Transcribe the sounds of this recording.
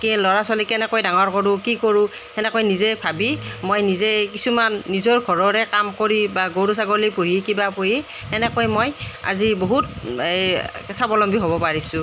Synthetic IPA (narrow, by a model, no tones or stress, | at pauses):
kilɔɹasɔlikɛnɛkojdaŋɔɹkɔɹʊ̃kikoɹʊ̃ | ɛnɛkojnizɛbʰʱabimojnizɛkisumanːizɔɹɡʱɔɹɔɹɛkamkoɹibaɡoɹusaɡolipuɦikibapoji | ɛnɛkojmoja̰ziboɦut̚ | sabɔlɔmbiɦobɔpaɹisʊ̃